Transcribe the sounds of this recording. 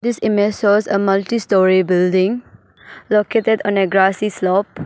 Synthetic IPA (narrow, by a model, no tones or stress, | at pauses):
d̪isimɛsɔsəmaltistɔɹibildĩŋ | loketədɔ̃neɡɹasislɔp̚